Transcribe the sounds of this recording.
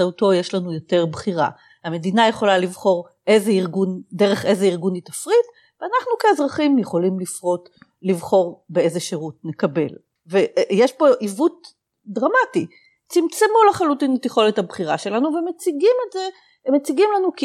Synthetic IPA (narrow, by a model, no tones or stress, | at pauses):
auto̞jeʃlanujo̞te̞ʁbχiʁa̰ | hame̞dinaje̞χo̞lalivχo̞ʁ | ʔe̞jzeiʁɡundeʁe̞χe̞zeiʁɡunitafʁit | veanaχnukeezʁaχimjeχo̞limlifʁo̞t | livχo̞ʁbee̞zeʃeʁutnekabe̞̰l | vejeʃbo̞ʔivut̚ | dʁamati | t͡simt͡semulaχalutinlet̪iχo̞lethabχiʁaʃe̞lanuvemet͡siɡimeze | met͡siɡimlanuk